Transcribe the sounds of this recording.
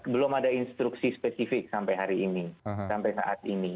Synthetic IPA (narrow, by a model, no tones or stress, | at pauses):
bəlʊmadainst̪ɾuksispɛsifɪk̚sampajɦaɾiːnisampajsa̰ʔa̰t̪̚ini